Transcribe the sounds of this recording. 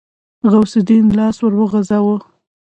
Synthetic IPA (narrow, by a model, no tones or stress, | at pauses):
ɣawsɪd̪inlɑswəɾwəɣazawə